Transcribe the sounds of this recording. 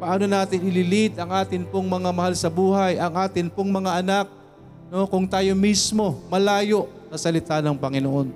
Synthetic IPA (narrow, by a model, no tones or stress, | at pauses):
pɐʔaːno̞naːt̪ɪnɪlɪlɪt̪ɐŋʔaːt̪ɪnpoŋmɐŋamɐhalsɐbuːɦɐjʔɐŋʔaːt̪ɪnpoŋmɐŋaʔɐnak̚ | no̞kʊŋt̪aːjo̞mismo̞mɐlaːjo̞ʔ | sɐsɐlɪt̪anɐŋpɐŋɪnoʔo̞n